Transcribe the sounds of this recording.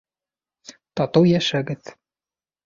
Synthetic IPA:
t̪ɑt̪ɤwjæʃæɡɘð

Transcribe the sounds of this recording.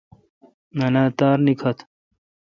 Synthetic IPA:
nɐnaːt̪aːɾnikʰɐt̪ʰ

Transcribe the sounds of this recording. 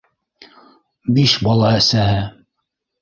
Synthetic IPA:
biʃbɑlˠɑæsæɦɘ

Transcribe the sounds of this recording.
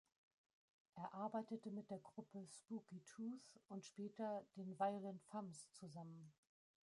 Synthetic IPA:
ʔeːɐʔaɐbaɪtətəmɪt̚d̥eːɐɡʁʊpʰəspuːkitʰusʊntʃpɛːtɐd̥eːnvaɪolɛntfamst͡suzamən

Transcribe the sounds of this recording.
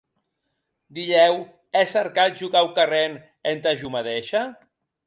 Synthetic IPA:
d̪iʎɛw | ɛsaɾkat̪̚ʒuɣawkaren | ent̪aʒumaðeʃa

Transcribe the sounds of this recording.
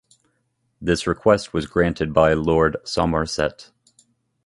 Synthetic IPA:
ðɪsɹɨkʰw̥ɛst̚wʌzɡɹæ̃ntʰɨd̚baɪlɔɹdsɑməɹsɛ̰t

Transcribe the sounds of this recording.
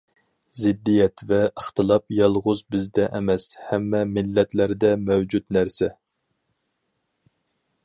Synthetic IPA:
zɪd̪ːijɛt̪vɛəχt̪ɨlˠɑpjɑlˠʁʊzbɪzd̪ɛʔɛmɛshɛmːɛmɪlːɛt̪læɾd̪ɛmɛwd͡ʒut̪næɾsɛ

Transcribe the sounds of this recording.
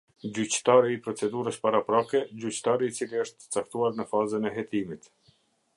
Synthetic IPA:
d͡ʑyt͡ɕt̪aɾiːpɾɔt͡sɛd̪uɾəspaɾapɾakɛd͡ʑyt͡ɕt̪aɾiːt͡siliəʃt̪ə̥t͡sakt̪uaɾnəfazənɛɦɛt̪imit̪

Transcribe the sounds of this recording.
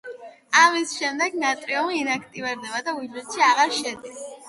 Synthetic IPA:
amisʃɛmd̪ɛɡnat̪ʼɾiɔninakʰt̪ʼivɛɾd̪ɛbad̪auid͡ʒɛt̪ʃiaʁaɾʃɛd̪is

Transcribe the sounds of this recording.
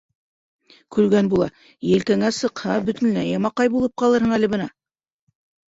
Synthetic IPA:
kʉlɡænbulˠɑ | jɘ̆lkæŋæsɤ̆qhɑbɵ̆t̪ɘ̆nːlæjɑmɑqɑjbulˠɤp̚qɑlˠɤɾhɤ̆ɴælɘ̆bɤ̆nɑ

